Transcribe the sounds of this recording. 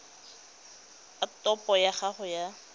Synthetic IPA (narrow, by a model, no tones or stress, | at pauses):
atɔpɔjaχaχʊja